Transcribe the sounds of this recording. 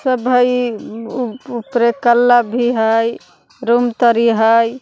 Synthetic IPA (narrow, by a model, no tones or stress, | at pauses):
səbʱəj | upɾekəlːabʱiɦəj | ɾumt̪əɾiɦəj